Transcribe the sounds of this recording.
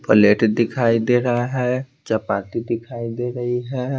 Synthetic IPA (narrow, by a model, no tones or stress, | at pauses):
pəleʈd̪ɪkʰaid̪eɾaɦɛ | d͡ʒapat̪id̪ikʰaid̪eɾəɦiɦɛ